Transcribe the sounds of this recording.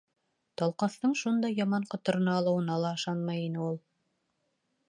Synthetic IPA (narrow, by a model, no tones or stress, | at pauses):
t̪ɑlˠqɑθt̪ɤɴʃund̪ɑjɑmɑɴqɤ̆t̪ɤ̆ɾɤ̆nɑːlˠɤ̆wɤ̆nɑlˠɑɤ̆ʃɑnmɑjinɘulˠ